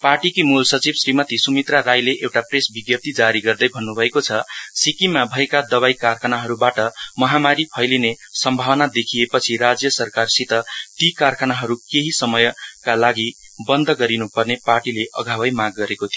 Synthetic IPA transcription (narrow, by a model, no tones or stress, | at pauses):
parʈikimulsʌt͡sibsrimʌt̪isumit̪raɾajleʔewʈapresbiɡjʌp̚t̪id͡zaɾiɡʌrd̪ʌjbʱʌnːubʱʌekot͡sʰʌsikimabʱʌekad̪ʌβaikarkʰanaɦʌɾubaʈʌmʌɦamaɾipʰʌjline | sʌmbʱawʌnad̪ekʰijepʌt͡sʰiɾad͡zjʌsʌrkarsit̪ʌt̪ikarkʰanaɦʌɾukeɦisʌmʌjkalaɡi | bʌnd̪ʱʌɡʌɾinupʌrneparʈileʔʌ̰ɡʱabʌjmaɡːʌɾekot̪ʰijo